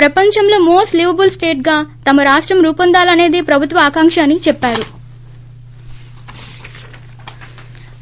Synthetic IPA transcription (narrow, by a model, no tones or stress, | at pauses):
pɾɐpɐɲt͡ʃɐmloːmoːsʈlibɐbulsʈe̞ːʈ̚ɡaːt̪ɐmɐɾaːʂʈɾɐmɾuːpɐnd̪aːlɐne̞ːd̪eːpɾɐbʱut̪ʋɐaːkaŋkʂɐːnit͡ʃɛpːaːɾu